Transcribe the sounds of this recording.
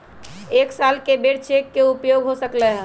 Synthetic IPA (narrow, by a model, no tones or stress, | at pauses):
eksalkebeɽt͡ʃʰekːeupjoɡɦosəklɛɦɛ̃